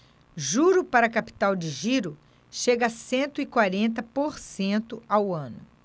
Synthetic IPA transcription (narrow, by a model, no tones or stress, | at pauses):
ʒuɾʊpaɾɐkapi̥t̪awd͡ʒɪʒiɾʊ | ʃeɡɐsẽnt̪ʊikwaɾẽnt̪ɐpoɾsẽnt̪ʊawɐ̃nʊ̰